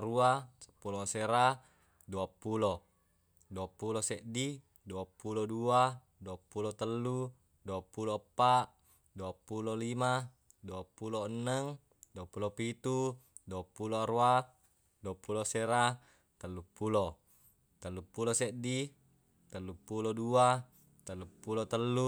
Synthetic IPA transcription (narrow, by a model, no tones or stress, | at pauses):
ɾuasəpuloseɾa | duapulo | duapuloseʔdi | duapulodua | duapulot̪əlːu | duapulopːaʔ | duapulolima | duapuloənːəŋ | duapulopit̪u | duapːuloaɾua | duapuloseɾa | t̪əlːupːulo | t̪əlːupuloseʔdi | t̪əlːupulodua | t̪əlːupːulot̪əlːu